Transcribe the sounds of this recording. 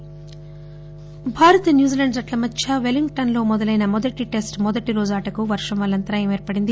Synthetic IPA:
bʱaːɾɐt̪ɐnjuːd͡ʒilɐɳɖsɐʈlɐmɐt͡ʃːʰɐʋeliŋɡʈɐnlo̞ːmɔd̪ɐlɐjnɐmɔd̪ɐʈiʈe̞sʈmɔd̪ɐʈiɾoːd͡ʒaːʈɐkuʋɐɾʂɐmʋɐːɭːɐnt̪ɐɾaːjeːmeːɾpɐɽind̪i

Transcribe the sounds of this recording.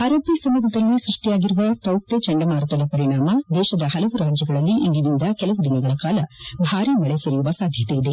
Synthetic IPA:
aːɾɐːpːisɐmːud̪ʱɐd̪ɐlːisɾuʂʈijaːɡiɾuʋɐt̪ɐwkt̪et͡ʃɐɳɖɐmaːɾut̪ɐd̪ɐpɐɾiɳaːmɐd̪ɛːʃɐd̪ɐhɐlɐʋuɾaːd͡ʒjɐɡɐɭɐlːiʔiŋɡinind̪ɐkɛlɐʋud̪inɛɡɐɭɐkaːlɐbʱaːɾiːmɐɭesɐɾijuʋɐsaːd̪ʱjɐt̪ejid̪e

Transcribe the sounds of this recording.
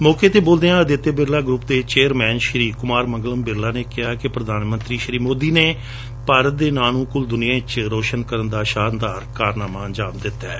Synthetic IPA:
mɔːkeːt̪eːboːld̪eːãːəd̪ɪt̪ːebɪɾlaːɡɾʊpd̪eːt͡ʃeːəɾmɛːnʃɾiːkʊmaːɾmə̃ŋɡləmbɪɾlaːneːkɪɦaːkɪpɾəd̪aːnmə̃nt̪ɾiːʃɾiːmoːd̪iːneː | paːɾət̪̚d̪eːnaːnũːkʊld̪ʊnɪjãːɪt͡ʃɾoːʃənkəɾənd̪aːʃaːnd̪aːɾkaːɾnaːmaːənd͡ʒaːmd̪ɪt̪ːɛː

